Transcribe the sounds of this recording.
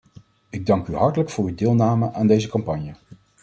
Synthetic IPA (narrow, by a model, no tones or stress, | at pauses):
ɪɡ̚dɑŋkyɦɑɹtələkfʊːɹydɪːlˠnaːməʔaːndejzəkɑmpɑɲjə